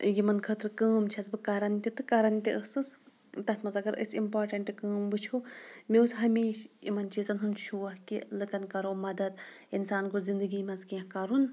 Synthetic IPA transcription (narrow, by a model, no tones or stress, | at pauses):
jimɐnkʰəːt̪ɾɨkəːmt͡ʃʰɐsbɨkɐɾɐnt̪it̪ɨkɐɾɐnt̪ʲiʔəsɨs | t̪ɐt̪ʰmɐnzɐɡɐɾɨ̰simpaːɾʈɐɳʈɨkəːmbɨt͡ʃʰumiusɦɐmiːʃjḭmɐnt͡ʃʰizɐnɦunʃuːɐhkḭlɨkɐnkɐɾoːmɐd̪ɐd̪̚insaːnkozind̪ɨɡiːmɐnskiɐ̃kɐɾun